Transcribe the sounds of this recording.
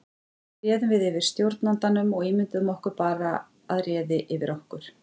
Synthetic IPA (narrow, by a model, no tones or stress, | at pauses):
rjɛːðʏvɪðɪvɪɾ̥st̪jowɾt̪nant̪anʏmɔɣiːmɪnt̪ʏðʏmɔhkʏɾpaːɾa | aðrjɛːðɪʔɪvɪɾʔɔhkʏɾ̥